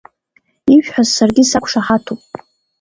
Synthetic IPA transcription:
iʃᶣħʷᶣazsarɡʲisakʷʰʂaħatʰopʼ

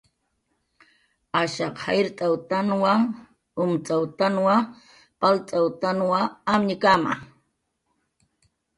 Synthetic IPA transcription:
aʃɑqhajɾt̪ʼawt̪anwa | ʊmt͡sʼawt̪anwa | palt͡sʼawt̪anwaamɲɪkama̰

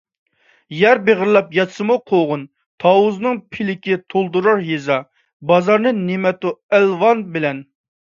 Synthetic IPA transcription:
jæɾbeʁəɾlˠɑpjɑt̪sɨmuqʰoʁʊn | t̪ʰɑwuznɨŋpʰɪlɪkʲɪt̪ʰolˠd̪uɾɑɾɦezɑ | bɑzɑɾnɨnemɛt̪uælvɑnbɪlɛn

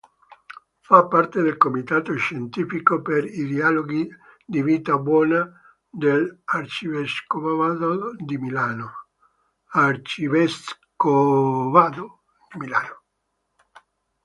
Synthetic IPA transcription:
fapːart̪ed̪elkomit̪aːt̪oʃent̪iːfikopeɾid̪ialoɡi | d̪iviːt̪abwɔːna | d̪elart͡ʃiveskovavad̪od̪imilaːno | art͡ʃiveskovaːd̪o | d̪̥imila̰ːno

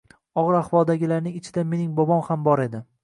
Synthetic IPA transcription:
ɒʁɨɾahvɒlˠd̪aɡʲɪlaɾnɪŋɪt͡ʃʰɪd̪ame̞nɪŋbɒbɒmhambɒɾe̞d̪ɪ

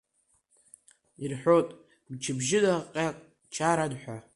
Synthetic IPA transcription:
irħʷᶣotʼ | bt͡ʃʰɪbʒɪdaqʼaqʼ | t͡ʃʰaɾadħʷa

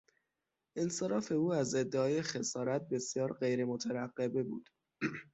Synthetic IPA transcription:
ʔenseɾɒːfe̞uːæze̞d̪ːeɒːjexe̞sɒːɾæt̪̚besjɒːɾɢe̞jɾemot̪ʰæɾæɢːe̞bebṵːd̪̥

